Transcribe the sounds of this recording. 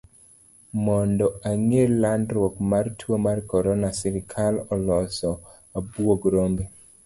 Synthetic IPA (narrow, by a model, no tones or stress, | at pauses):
mɔndɔaŋelːandɾwokmartʰwomarkɔɾɔnasiɾɪkʰalɔlɔsɔ | abwoɡɾombe